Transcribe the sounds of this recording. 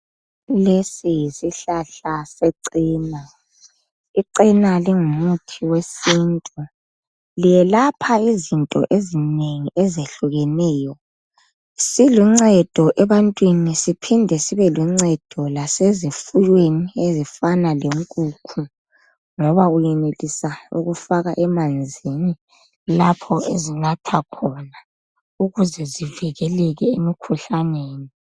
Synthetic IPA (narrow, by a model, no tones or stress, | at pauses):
lesijisiɬaɬaseǀiːna | iǀinaliŋumutʰiwesintʼu | lijɛlapʰaizintʼɔ̰ʔezineŋiʔɛzeɬuɣɛnɛːjɔ | siluŋ͡ǀɛd̥ʱɔʔɛβantʼwinisipʰindʱɛsiβɛluŋ͡ǀɛd̥ʱɔlasezifujweniezifanaleŋkʼuːkʰu | ŋɔβaujɛnelisaṵɣufaɣaʔɛmand͡zʱini | lapʰɔezinatʰakʰɔna | uɣuzɛzivɛɣɛlɛɣɛemikʰuɬaneːni